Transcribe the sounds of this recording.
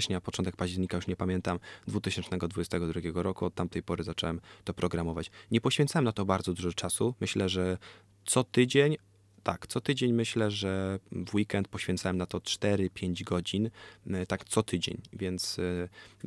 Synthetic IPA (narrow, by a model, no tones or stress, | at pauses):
ɕɲapɔt͡ʂɔnt̪ɛkpaʑd͡ʑɛɾɲikajuʂɲɛpamʲjɛnt̪amd̪vut̪ɪɕɛnt͡ʂnɛɡɔd̪vud͡ʑɛst̪ɛɡɔd̪ɾuɡʲjɛɡɔɾɔkuɔt̪ːamt̪ɛjpɔɾɘzat͡ʂɔwɛmt̪ɔpɾɔɡɾamɔvat͡ɕɲɛpɔɕfʲjɛnt̪sawɛmnat̪ɔbaɾd̪zɔd̪uʐɛt͡ʂasumɘɕlɛʐɛ | t̪sɔt̪ɘd͡ʑeɲ | t̪a̰kt̪sɔt̪ɘd͡ʑeɲmɘɕlɛʐɛvwikɛnt̪̚pɔɕfʲɛ̃nt̪sawɛmnat̪ɔt͡ʂt̪ɛɾɘpʲjeɲd͡ʑɡɔd͡ʑint̪akt̪sɔt̪ɘd͡ʑḛɲvʲjɛnt̪s